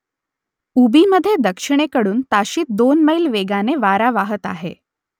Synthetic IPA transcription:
ubiməd̪ʱːjed̪əkʂiɽ̃ekəɽuːnt̪aɕiːt̪̚d̪onməilʋeɡaneʋaɾaʋaɦət̪a̰ɦḛ

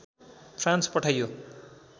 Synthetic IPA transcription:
pʰrãnspʌʈʰʌjo

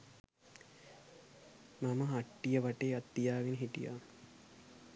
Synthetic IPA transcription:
maməɦaʈːijəʋaʈeːat̪ːijaːʋinəɦiʈḭja̰ː

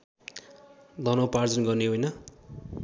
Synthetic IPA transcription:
d̪ʌnʌwpard͡zʌnɡʌrneɦojnʌ

